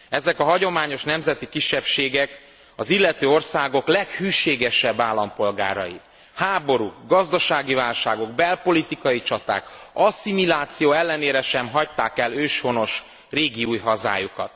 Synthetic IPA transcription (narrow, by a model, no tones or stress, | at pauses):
ɛzɛkɒɦɒɟo̞maːɲo̞ʃnɛmzɛt̪ikiʃːɛpʃeːɡɛk | ɒzilːɛt̪øːo̞rsaːɡo̞klɛkhyːʃeːɡɛʃɛbːaːlːɒmpo̞lɡa̰ːɾɒ̰ji | haːbo̞ɾuːɡɒzd̪ɒʃaːɡivaːlʃaːɡo̞ɡ̚bɛlpo̞lit̪ikɒjit͡ʃɒt̪a̰ːkɒsimilaːt̪sijoːɛlːɛneːɾɛʃɛmɦɒct̪aːkɛløːʃho̞no̞ʃ | reːɡiuːjɦɒza̰ːjukɒ̰t̪